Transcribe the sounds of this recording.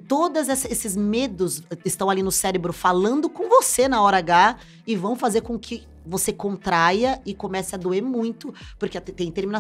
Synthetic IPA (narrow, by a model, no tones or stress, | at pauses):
t̪od̪ɐzɛsɐesɪzmed̪ʊzɪst̪ɐ̃w̃alinʊsɛɾebɾʊfalɐ̃nd̪ʊkõvosenɐɔaɾaɡa | ɪvɐ̃w̃fazeɾkõkʰɪ | vosekõnt̪ɾajɐɪkomɛsɐɐd̪oeɾmũj̃t̪ʊpʊɾkɪt̪t̪ẽj̃t̪eɾmina